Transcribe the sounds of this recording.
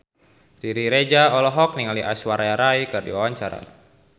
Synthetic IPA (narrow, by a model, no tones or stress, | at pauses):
diɾiɾed͡ʒaɔlɔɦɔk̚niŋaliʔa̰swaɾʔajaɾaikɨrdḭwawaɲt͡ʃaɾa̰